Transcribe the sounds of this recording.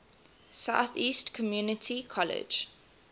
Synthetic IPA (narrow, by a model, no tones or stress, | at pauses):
saʊθiːstkʰɔmjuːnətʰikʰɔlɪ̰̥d͡ʒ